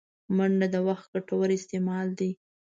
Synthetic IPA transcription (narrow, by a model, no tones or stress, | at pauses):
maɳɖad̪əwaxt̪̚ɡaʈawəɾɪst̪emɑld̪i